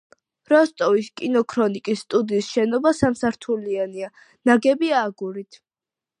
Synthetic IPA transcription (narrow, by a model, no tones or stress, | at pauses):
ɾɔst̪ʼɔviskʼinɔkʰɾɔnikʼisːt̪ʼud̪iːsʃɛnɔbasamsaɾt̪ʰuliania | naɡɛbiaːɡuɾit̪ʰ